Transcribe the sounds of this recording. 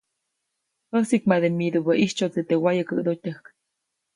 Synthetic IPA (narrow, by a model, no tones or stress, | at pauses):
həsikmaðemid̪ubəʔiht͡ʃot͡sit̪ewajəkə̰d̪ot̪ʲəhk